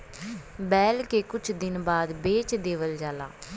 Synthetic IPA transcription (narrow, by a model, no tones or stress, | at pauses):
bɛːlkeːkʊt͡ʃʰd̪ɪnbaːd̪beːt͡ʃd̪eːʋəld͡ʒaːla̰ː